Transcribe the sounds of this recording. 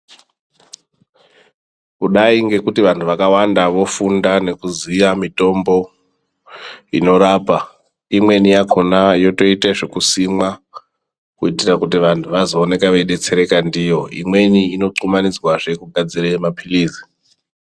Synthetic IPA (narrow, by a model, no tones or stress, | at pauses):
kuɗaiŋɡe̞kutiʋantʰuʋakawandaʋo̞fundane̞kuzijamito̞mbo̞ | ḭno̞ɾaːpa | imwe̞nijakʰonajo̞to̞iteʐekusimwa | kuitirakutiʋantʰuʋazo̞ːne̞kaʋeɗe̞t͡se̞ɾe̞kandijo̞ḭmwe̞niːno̞ǀumanid͡zwaʐe̞kuɡʱad͡ziremapʰiliːzi̥